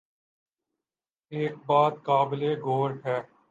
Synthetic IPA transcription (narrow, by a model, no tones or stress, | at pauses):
eːk̚baːt̪̚kaːbɪleɡʱoːɾʈʰɛː